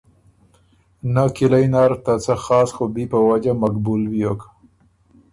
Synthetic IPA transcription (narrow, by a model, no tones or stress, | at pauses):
nakɪlajnɑɾt̪at͡saxɑsxobipəwad͡ʒamakbulwijokḁ